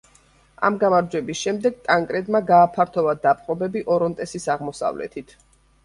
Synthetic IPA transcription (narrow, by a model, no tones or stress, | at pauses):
a̰mɡamaɾd͡ʒwɛbisʃɛmd̪ɛɡ̚t̪ʼaŋkʼɾɛd̪maɡaːpʰaɾt̪ʰɔvad̪apʼqʼɔbɛbiʔɔɾɔnt̪ʼɛsisaʁmɔsa̰vlɛ̰t̪ʰit̪ʰ